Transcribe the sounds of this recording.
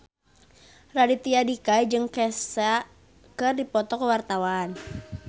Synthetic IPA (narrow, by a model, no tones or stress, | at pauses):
radit̪iadikajd͡ʒɨŋkɛsa | kɨrdipɔt̪ɔkəwart̪awan